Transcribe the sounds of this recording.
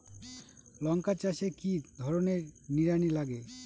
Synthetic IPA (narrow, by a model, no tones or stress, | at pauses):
lɔŋkat͡ɕaʃekid̪ʱɔɾoneɾniɾanilaɡe